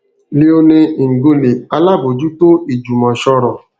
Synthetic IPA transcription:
li˦o˦ne˦˨ŋ̩˨ɡo˦le˨a˦la˦bo˨d͡ʒu˦to˦i˨d͡ʒu˨mɔ˨ʃɔ˦ɾɔ˨

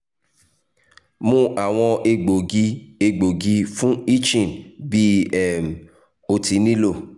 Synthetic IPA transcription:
mũ˦ʔa˨w̃ɔ̃˧e˧ɡ͡bo˨ɡi˧e˧ɡ͡bo˨ɡi˧fũ˦i˦t͡ʃĩ˦˨nbi˦ɛ˦˨m̩˨ | o˧ti˨˦nĩ˦lo˦˨

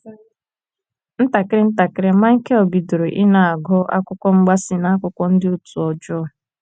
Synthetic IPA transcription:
n̩˦ta˨kɪ˦ɪ˦n̩˦ta˨kɪ˦ɾɪ˦ma˦ŋ̩˦ke˦o˨bi˨do˨ɾo˨ʔɪ˦na˨a˨ɡɔ˦ʔa̰˦kʷʊ˦kʷɔ˦ŋ͡m̩˦ɡ͡ba˦sɪ˦na˦kʷʊ˦kʷɔ˦n̩˦dɪ˦u˦˨tu˨ɔ˨d͡ʒɔ˦˨

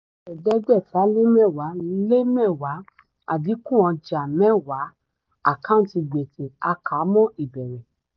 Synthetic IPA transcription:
ɛ˨dɛ˦ɡ͡bɛ˦˨fa˨˦le˦mɛ̃˦˨wa˨˦le˦mɛ̃˦˨wa˨˦ | a̰˨di˨˦kũ˦ã˧d͡ʒa˨mɛ̃˦˨wa˨˦ | a̰˦˨kã˦˨˦ti˧ɡ͡be˨tʰe˨a˧ka˨˦mɔ̃˦i˨bɛ˨ɾɛ̃˨

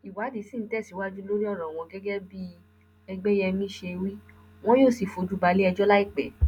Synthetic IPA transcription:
i˨wa˨˦di˨˦sĩ˦˨n̩˨˦tɛ˦˨si˨˦wa˦d͡ʒu˦lo˦ɾi˦ɔ˦˨ɾ̃ã˨w̃ɔ̃˧ɡɛ˦ɡɛ˦bi˦ | ɛ˧ɡ͡bɛ˦jɛ˧mĩ˦ʃe˧wi˦ | w̃ɔ̃˦joː˦˨si˨fo˨˧d͡ʒu˦ba˧le˦ɛ˧d͡ʒɔ˦la˦i˦˨k͡pɛ˨˦

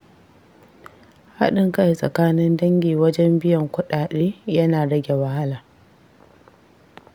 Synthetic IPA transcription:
ha̰˦ɗɪ˦˨ŋkɐ˦ji˨sʼɐ̰˨kaː˦nɪ˦ndɐ˦ŋɡʲiː˨wɐ˦d͡ʒɛ˦mbɪ˦jɐ˨ŋkʷʊ˦ɗaː˨ɗeː˦jɐ˦naː˨ɽɐ˦ɡʲe˨wɐ˨ha˦laː˨

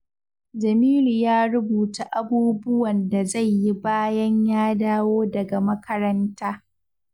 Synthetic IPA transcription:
d͡ʒɐ˨miː˦lu˨jaː˦ɾʊ˦buː˨ta˨ʔa˨buː˦bʊ˦wɐ˨nda˨za˦˨jːi˦baː˦jɐ˦ɲjaː˦daː˦woː˦dɐ˨ɡa˨mɐ˦kʰɐ˦ɾɐ˦ntaː˦

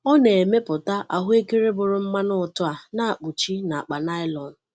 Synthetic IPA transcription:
ɔ˦ne˨e˨me˦pʊ˨ta˦ʔa˨ɦʊ˦e˦ke˦ɾe˦bʊ˨ɾʊ˨m̩˦ma˦nʊ˦ʊ˨tʊ˦a˨na˦a˨k͡pu˨t͡ʃi˦na˨a˨k͡pa˨na˦ɪ˦lɔ˨n̩˨

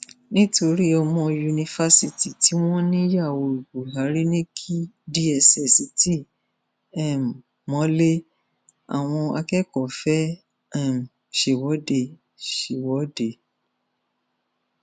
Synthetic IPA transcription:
nĩ˦to˧ɾi˦ɔ˧mɔ̃˧ju˧nĩ˧fa˧si˧ti˨ti˨˦w̃ɔ̃˦nĩ˦ja˦˨wo˧u˨ɡu˨ɦa˨˦ɾi˦nĩ˦kʰi˦di˦ɛ˧sɛ˨si˧˦ti˦ | ɛ˦˨m˨ | mɔ̃˨˦le˦ | a̰˨w̃ɔ̃˧a̰˧kɛ˦kɔ˨fɛ˦ | ɛ˦˨m˨ | ʃe˨wɔ˨˦de˧˨ | ʃe˨wɔ˨˦de˨

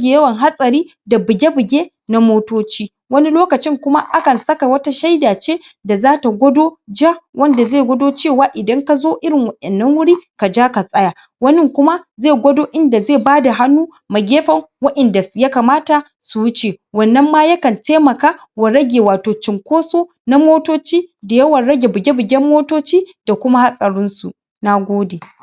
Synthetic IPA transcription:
ɡʲeː˨jɐ˦wɐ˨ŋɦa˦sʼɐ˨ɾiː˦ | da˨bɪ˨ɡʲe˦bɪ˨ɡʲeː˦ | na˦moː˦toː˦t͡ʃiː˦ | wɐ˦ni˦loː˦kɐ˨t͡ʃɪ˦ŋkʷʊ˦ma˦ʔa˦kɐ˨nsɐ˦ka˨wɐ˦ta˦ʃa˦jdaː˨t͡ʃeː˦da˨zaː˦ta˨ɡʷɔ˦doː˦d͡ʒa˦wʔɐ˦nda˨zeː˦˨ɡʷɐ˦doː˦t͡ʃeː˦˨waː˨ʔɪ˨dɐ˦ŋka˨zoː˦ʔɪ˦ɾɪ˨ŋwɐ˨ʔɛ˨nːɐ˦ŋwʊ˦ɽiː˦ka˨d͡ʒaː˦ka˨sʼɐ˦ja˨ | wɐ˦nɪ˦ŋkʷʊ˦ma˦zeː˦˨ɡʷɔ˦doː˦ʔɪ˦nda˨zeː˦˨baː˦da˨ɦa˦nːuː˦ | ma˨ɡʲeː˦ɸɐ˨ŋwɐ˦ʔɛ˨nda˨sja˦ka˨maː˦ta˨ | su˨wʊ˦t͡ʃeː˨wɐ˨nːɐ˦mːa˦jɐ˦kɐ˨ntʰeː˦mɐ˨kaː˦ | wɐ˨ɾɐ˦ɡʲeː˨waː˨toː˨t͡ʃɪ˨ŋkʷoː˦soː˦ | na˦moː˦toː˦t͡ʃiː˦da˨jɐ˦wɐ˨ɽɐ˦ɡʲe˨bɪ˨ɡʲe˦bɪ˨ɡʲɛ˦mːoː˦toː˦t͡ʃiː˦d̥a˨kʷʊ˦ma˦ha˦sʼɐ˨ɽʊ˦nsu˨ | na˦ɡʷoː˦deː˨

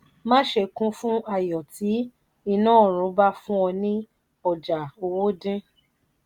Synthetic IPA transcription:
mã˦ʃe˧˨kũ˦fũ˦a˦˨jɔ˨ti˨˦ | i˧nãː˦˨ɾ̃ũ˨˦ba˦fũ˦ɔ̃˧nĩ˦ | ɔ˨d͡ʒa˨o˧wo˦dĩ˦

